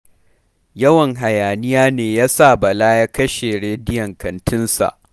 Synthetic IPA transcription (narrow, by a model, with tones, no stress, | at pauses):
jɐ˦wɐ˨ŋɦa˨jaː˨nɪ˦jaː˦neː˨jaː˦sa˦˨bɐ˨laː˦jaː˦kɐ˦ʃe˨ɽeː˦dɪ˦jɐ˨ŋkɐ˨ntɪ˦nsa̰˨ʔ